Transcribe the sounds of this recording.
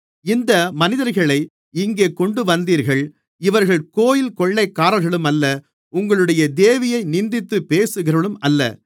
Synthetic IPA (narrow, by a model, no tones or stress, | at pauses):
ɪnd̪ɐmɐnɪðɐɾɣɐɭɐɪ | ɪŋɡeːkɔɳɖɯʋɐnd̪iːɾɣɐɭ | ɪʋɐɾɣɐɭkoːjɪlkɔɭːɐɪkːaːɾɐlɣɐɭɯmɐlːɐ | ʊŋɡɐɭɯɽɐjɐd̪eːʋɪjɐɪnɪnd̪ɪt̪ːɯpeːsɯɣɪrɐɭɯmɐlːɐ̰